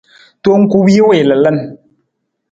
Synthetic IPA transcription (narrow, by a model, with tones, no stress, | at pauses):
to˦ŋ̩˦ku˦wi˦we˦˨lɛ˨lɛ˦˨n